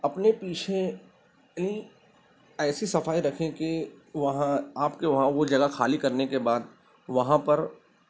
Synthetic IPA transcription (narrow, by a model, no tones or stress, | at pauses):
ɐpnepiːt͡ʃʰe | nĩ | ɛːsisɐfaːiɾɐkʰẽkeʋɐɦãaːpkeʋɐɦãʋod͡ʒɐɡaxaːlikɐɾnekebaːd̪ | ʋɐɦãpɐɾ